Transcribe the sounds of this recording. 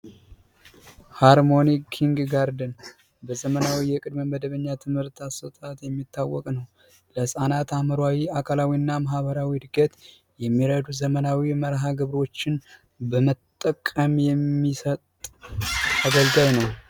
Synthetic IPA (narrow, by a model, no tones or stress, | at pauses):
haɾmo̞nikʰːiŋɡɡaɾd̪ən | bəzəmənawijɛkʼɨd̪məməd̪əβəɲːat̪ʰɨmhɨɾt̪ʰasət̪ʼat̪jɛmːit̪ʰːawːɔ̰kʼnəw | ləsʼanat̪aməɾwawiakʰalawiɨnːamaɦβəɾawid̪ɨɡət̪ | jɛmːiɾəd̪uzəmənawiməɾɦaɡɨβɾo̞t͡ʃːɪn | bəmət̪ʼːəkʼːəmjɛmːisət̪ʼ | aɡəlɡajnəw